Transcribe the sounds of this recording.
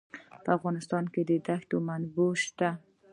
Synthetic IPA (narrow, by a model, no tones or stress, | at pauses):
pəafɣɑnɪst̪ɑnked̪əd̪axt̪omanbuʃt̪a